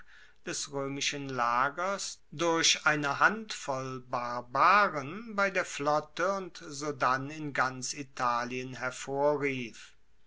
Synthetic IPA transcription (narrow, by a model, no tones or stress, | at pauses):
d̥ɛsʁøːmɪʃənlaːɡɐsdʊɐɕʔaɪnəɦantfɔlbaɐbaːʁənbaɪdeːɐflɔtəʊntzoːdanɪnɡant͡sitʰaːliənɦɛɐfoːɐʁiːf